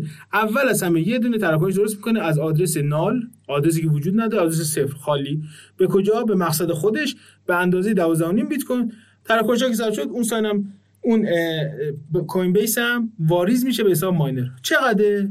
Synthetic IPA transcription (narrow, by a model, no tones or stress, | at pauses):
ʔævːælæzhæmejed̪uːne̞t̪ʰæɾæk̬ʰːoneʃd̪oɾost̪mikʰo̞neæzɒːd̪ɾe̞senɒːlʔɒːd̪ɾes̬iːcevod͡ʒuːd̪̚næd̪ɒːɾeɒːd̪ɾes̬esefɾxɒːliːb̥ekʰod͡ʒɒːbe̞mæɣsæd̪e̞xod̪e̞ʃ | b̥eænd̪ɒːze̞jed̪ævɒːzd̪æhonimbit̪kʰojn | t̪ʰæɾækʰːonʃ̬ɒːkʰes̬æɾʃo̞d̪unsɒːjnæm | un | kʰojnbejsæmvɒːɾizmiːʃebeːs̬ɒːbmɒːjneɾt͡ʃʰe̞ɣæd̪e